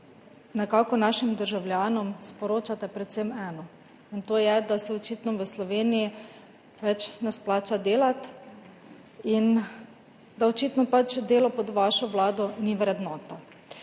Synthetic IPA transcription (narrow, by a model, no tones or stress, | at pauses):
nɛkaːkɔnaʃimd̪əɾʒawljaːnɔmspɔɾoːt͡ʃat̪ɛpɾɛt̪semɛːnɔ | int̪oːjɛd̪asɛɔt͡ʃiːt̪nɔʋəslɔʋeːniji | ʋɛt͡ʃnɛsplaːt͡ʃad̪eːlat̪ | in | d̪aɔt͡ʃiːt̪nɔpat͡ʃd̪eːlɔpɔd̪ʋaʃɔʋlaːd̪ɔniʋɾɛd̪nɔːt̪a